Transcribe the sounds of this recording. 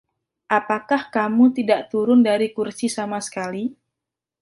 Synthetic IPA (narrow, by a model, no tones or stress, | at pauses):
ʔapakahkamut̪idaʔt̪uɾʊndaɾikursisamasə̥kali